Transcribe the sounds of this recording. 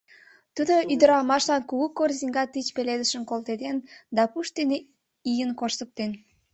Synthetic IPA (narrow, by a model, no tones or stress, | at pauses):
t̪ud̪oyd̪əɾɑmɑʃlɑnkuɣukorziŋɡɑt̪it͡ɕpeled̪əʃə̆nkolt̪ed̪end̪ɑpuʃt̪en | ijənkoʃt̪ə̆p̚t̪en